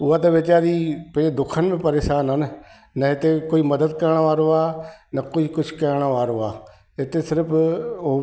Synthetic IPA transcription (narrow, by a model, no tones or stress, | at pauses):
ʊãːd̪eːʋɪt͡ʃaːɾiːpə̃eːd̪ʊkʰːənbĩːpəɾeːsaːnɦən | nəet̪eːkoːiːməd̪əd̪kəɾɳ̃aːʋaːɾoaːnəkoiːkʊt͡ʃʰkɛːɾɽ̃aːʋaːɾoːaː | et̪eːsɪɾpʰo